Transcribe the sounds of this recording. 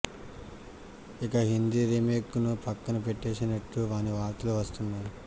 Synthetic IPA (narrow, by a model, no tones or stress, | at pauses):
ikɐɦind̪iɾimeːkːunupɐkːɐnupeʈːeːsinɐʈːuʋaːniʋaːɾt̪ɐluʋɐst̪unːaːɾu